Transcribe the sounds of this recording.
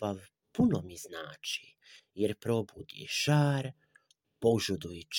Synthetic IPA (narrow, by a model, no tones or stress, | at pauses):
aʋ | punomiznaːt͡ʃi | jeɾpɾobud̪ḭʃaːɾ | po̞ʒud̪ujet͡ʃ